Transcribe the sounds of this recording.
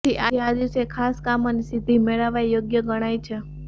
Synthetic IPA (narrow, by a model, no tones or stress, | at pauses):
iʔaad̪isekʰaskamənisid̪ʱimeɭaʋajjoɡjəɡəɽ̃ajt͡ʃʰe